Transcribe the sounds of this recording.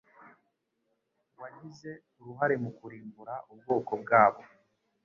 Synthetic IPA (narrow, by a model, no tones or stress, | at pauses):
waɲize̞ | uɾuɦaɾe̞mukuɾiːmbuɾaʔub̚ɡo̞ːkobɡaːβo̞